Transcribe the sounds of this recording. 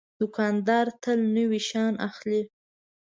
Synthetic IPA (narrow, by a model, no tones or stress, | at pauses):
d̪̥ʊkɑnd̪ɑɾt̪əlnəwiʃɑna̰xli